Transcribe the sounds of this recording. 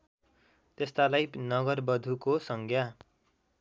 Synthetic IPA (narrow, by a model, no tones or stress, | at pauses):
t̪est̪alajnʌɡʌrbʌd̪ʱukosʌŋɡja